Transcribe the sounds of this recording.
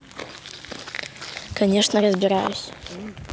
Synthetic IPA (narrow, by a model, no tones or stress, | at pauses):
kɐnʲɛʂnəɾəzʲbʲɪɾa̰jʊsʲ